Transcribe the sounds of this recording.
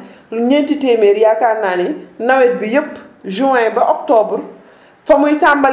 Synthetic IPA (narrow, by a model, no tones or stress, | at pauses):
ɲentiteːmeɾjakaɾnaːninɐwɛt̚bijəpːʒuɛjbɐʔɔk̚tɔbɾ | fɐmujsambɐl